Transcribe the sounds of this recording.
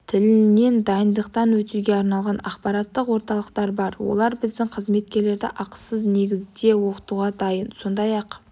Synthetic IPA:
t̪ʰɪlɪne̞nd̪ɑjənd̪əqt̪ɑnwɵt̪uɡʲe̞ɑɾnɑlˠʁɑnɑqpɑɾɑt̪ːəqwo̞ɾt̪ɑlˠəqt̪ɑɾbɑɾwo̰lˠɑɾbɪzd̪ɪŋqʰəzme̞t̪̚kʲe̞ɾle̞ɾd̪ɪʔɑqə̥səzne̞ɡʲɪzd̪e̞woqət̪uʁɑd̪ɑjənso̞nd̪ɑjɑq

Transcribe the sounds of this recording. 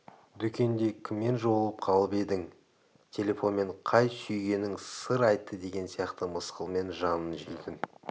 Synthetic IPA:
d̪ʏkʲe̞nd̪e̞kʲʰɪmːe̞nʒo̞əlˠəp̚qʰɑlˠəpe̞d̪ɪŋ | t̪ʲʰe̞lʲe̞fo̞nme̞ɴqʰɑjsʏjɡʲe̞nɪŋsəɾɑjt̪ːəd̪e̞ɡʲe̞nsijɑqt̪əməsqəlˠme̞nʒɑnənʒḛjt̪ɪn

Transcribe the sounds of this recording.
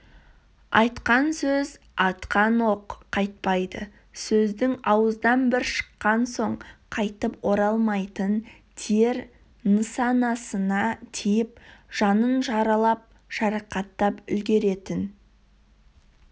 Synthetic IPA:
ɑjt̪qɑnsɵz | ɑt̪qɑnoqʰːɑjt̪̚pɑjd̪ə | sɵzd̪ɪŋɑwəzd̪ɑnbɪɾʃə̥qːɑnso̞ɴqʰɑjt̪əpwo̞ɾɑlˠmɑjt̪ən | t̪ʰeɾ | nəsɑnɑsənɑt̪ʰijɪpʒ̥ɑnənʒɑɾɑlˠɑp̚ | ʒ̥ɑɾɑqɑt̪ːɑpʏ̰lɡʲe̞ɾe̞t̪ɪn

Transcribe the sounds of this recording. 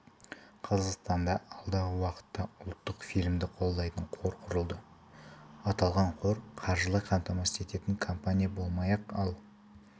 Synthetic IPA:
qʰɑzɑqst̪ɑnd̪ɑɑlˠd̪ɑʁəwɑqə̥t̪ːɑʊlˠt̪ːəqfijlʲmd̪ɪqʰo̞lˠd̪ːɑjt̪əɴqʰo̞ɾqʰʊɾəlˠd̪ə | ɑt̪ɑlˠʁɑɴqʰo̞ɾqʰɑɾʒəlˠɑqʰɑmt̪ɑmɑse̞t̪e̞t̪ɪŋkʰompanʲijabo̞lˠmɑjɑqɑlˠ

